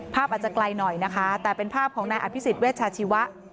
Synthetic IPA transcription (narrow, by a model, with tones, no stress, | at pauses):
pʰaː˥˩p̚ʔaː˨˩t͡ɕa˨˩kla˧jnɔ˨˩jna˦˥kʰa˦˥t̪ɛː˨˩pe˧npʰaː˥˩p̚kʰɔː˩˦ŋnaː˧jʔa˨˧˩pʰi˦˥si˨˩t̪̚weː˥˩t̪̚t͡ɕʰaː˧t͡ɕʰi˦˥wa˦˥ʔ